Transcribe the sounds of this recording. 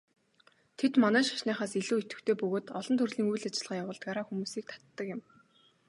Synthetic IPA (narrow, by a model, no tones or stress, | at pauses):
t̪ʰet̪manæːʃḁʃnaːχaːsiɮuːet̪ɡɘ̆kt̪ʰeːpɵɣoːt̪ɔɮɞ̆nt̪ʰɵrɮiːŋujɮat͡ɕɪ̆ɮʁaːjawʊːɮt̪̚ɢaɾaːxumuːsiːk̚t̪ʰḁt̪ːə̆kɪ̆m